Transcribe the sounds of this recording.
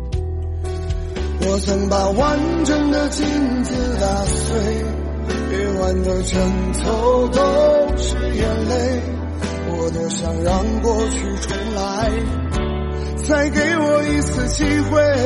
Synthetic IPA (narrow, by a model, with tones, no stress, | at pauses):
wɔ˨˩t͡sʰə˧˥ŋpa˨˩wa˧˥˦nʈ͡ʂə˧˥nd̪ə˧t͡ɕi˥˧nt͡sɹ̩˧t̪a˧swe˥ɪ | e˧ɪwa˧˥nd̪ə˧ʈ͡ʂʰə˧˥ŋ | t͡sʰo˧˦ʊt̪o˧˥ʂɻ̩˧˩jɛ˧˥nle˥˧ɪ | wɔ˨˩t̪o˧ʊɕjɑ˧˩ŋɻɑ˧˥ŋkwɔ˥˧t͡ɕʰy˥˧ʈ͡ʂʰʊ˧˥ŋla˧˦ɪ | t͡sʰa˧˥ɪke˧˥ɪwɔ˨˩i˧˥t͡sʰɹ̩˧˩t͡ɕi˥xwe˥˧ɪ